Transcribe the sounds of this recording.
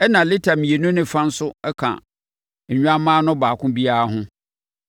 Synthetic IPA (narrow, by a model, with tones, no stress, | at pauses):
ɛ˦nã˨lɪ˦tʰa˨mĩ˨e˨nũ˦nɪ̃˦fã˦n̩˦sʊ˦ɛ˦kʰã̰˨ | ɲ̩˨ɲᶣũ˦a˦mãː˦nʊ̃˦baː˨kʰʊ̃˦bi˦a˦a˦ɦʊ̃˦